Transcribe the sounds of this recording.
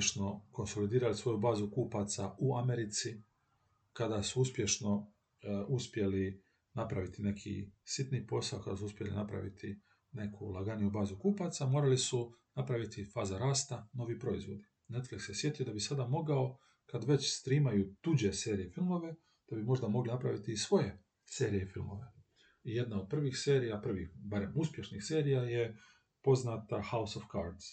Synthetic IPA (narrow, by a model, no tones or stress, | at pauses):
ʃno̞ko̞nso̞lid̪iːɾalisʋo̞jubaːzukuːpat̪sa̰uameɾit̪si | kad̪asuuspʲje̞ʃno̞ | uspje̞li | napɾaʋit̪ine̞kʰḭsit̪niːpo̞sao̞kad̪asuuspʲjelḭnapɾa̰ʋḭt̪ʰi | ne̞kʰulˠaɡanijubaːzukuːpat̪samo̞ːɾalisunapɾaʋit̪ifaːzaɾaːst̪ano̞ʋipɾo̞izʋo̞d̪i | ne̞t̪fliksjesje̞t̪ijed̪abisad̪amo̞ɡao̞ | kad̪ʋe̞t͡ɕst̪ɾiːmajut̪ud͡ʑe̞se̞ːɾijefilˠmo̞ʋe̞ | d̪̥abimo̞ʒd̪amo̞ɡlinapɾaʋit̪iːsʋo̞je̞ | se̞ːɾijefilˠmo̞ʋe̞ | ije̞d̪naod̪̚pr̩ʋixse̞ːɾijapr̩ʋixbaɾe̞muspje̞ʃnixse̞ːɾijaje̞ | po̞znat̪ahausofkaɾd̪z